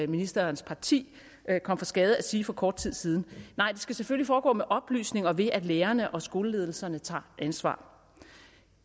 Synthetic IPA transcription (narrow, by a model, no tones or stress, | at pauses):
minisd̥ɐnspʰɑ̈t͡sʰḭː | kʰɒ̽m̰fʁɑ̈sɡ̥ɛːð̞ˠəæsiːfɒ̽kʰɒ̰ːd̥̚t͡sʰið̰ˠsiːð̞ˠn̩nɑ̈ɪ̰d̥e̝sɡ̥æseføllifɒːɡ̥ɔ̰ːmeʔɒ̽b̥ly̰ːsne̝ŋɒ̽ʋe̝ʔæd̥leːɐnəʔɒ̽sɡ̥o̝ːləle̝ð̞ˠl̩sɐnət͡sʰɑ̰̈ːʔænsʋɑ̰̈ː